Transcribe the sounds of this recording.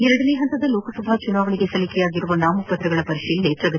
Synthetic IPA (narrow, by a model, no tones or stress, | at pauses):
ɪɾɐɽɪnejɦɐnt̪ɐðɐloːkɐsɐbʱaːt͡ʃʊnaːʋɐɭɪɣɐsɐlɪkːɐjaːɣɪɾɯʋɐɳɖaːmʊpːɐt̪ːɾɐɣɐɭɐpɐɾɪʂɐjɪlneːʈrɐɣɐ